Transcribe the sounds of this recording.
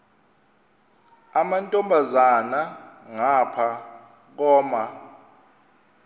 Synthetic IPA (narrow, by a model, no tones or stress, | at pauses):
amantʼɔmbʱazanaŋapʰa | k̬ɔːma